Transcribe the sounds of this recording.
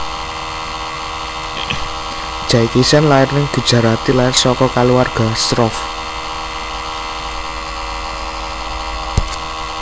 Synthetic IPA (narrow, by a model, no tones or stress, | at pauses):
d̥ʒ̥aikisanlaɪrnɪŋd̪̥ṳd̥ʒ̥a̤ɾat̪ilaɪrsɔkɔkaluwarɡ̥a̤st̪ɾɔf